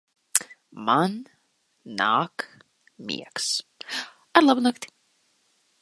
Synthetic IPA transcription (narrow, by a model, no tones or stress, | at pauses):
manː | a̰ːk | mʲḭɛks | aɾlˠabnakt̪ʲi̥